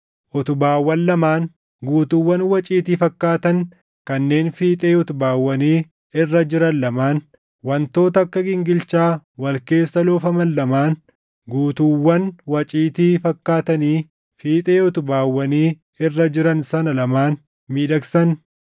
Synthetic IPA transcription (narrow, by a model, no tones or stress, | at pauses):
ʔɔt̪ʊbaːwːɐnlɐmaːn | ɡuːt̪ʊwːɐnwɐt͡ʃʼiːt̪iːfɐkːaːt̪ɐn | kɐnːe̞ːnfiːt̪ʼeːɔt̪ʊbaːwːɐniː | ɪrːɐd͡ʒɪɾɐnːɐmaːn | wɐnt̪o̞ːt̪ɐɐkːɐɡɪŋɡɪlt͡ʃaːwɐlke̞ːsːɐloːfɐmɐnːɐmaːn | ɡuːt̪uwːɐnwɐt͡ʃʼiːt̪iːfɐkːaːt̪ɐniː | fiːt̪ʼeːɔt̪ʊbaːwːɐniː | ɪrːɐd͡ʒɪɾɐnsɐnɐlɐmaːn | miːᶑɐksɐn